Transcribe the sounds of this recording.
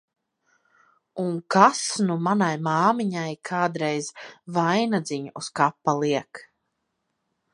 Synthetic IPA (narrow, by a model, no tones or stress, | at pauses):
uŋkasnumanajmaːmiɲajkʰaːd̪ɾɛjzvajnad̪ziɲuskapːalˠiɛk